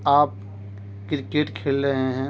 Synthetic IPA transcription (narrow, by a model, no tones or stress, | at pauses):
aːp̚ | kɾɪkeːʈkʰeːlɾəɦẽɦɛ̃ː